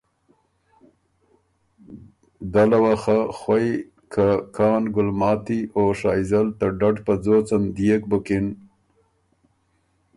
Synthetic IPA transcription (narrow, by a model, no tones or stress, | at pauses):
d̪alawaxaxwaj | kʰakʰɑːnɡʊlmɑːt̪ioʂɑːjzalt̪aɖaɖpad͡zot͡sand̪ijek̚bʊkɪn